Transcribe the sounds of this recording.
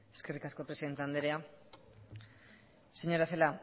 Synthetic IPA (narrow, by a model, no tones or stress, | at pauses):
e̥skerikaskopɾesiðe̞nt̪eand̪eɾea | seɲo̞ɾaθela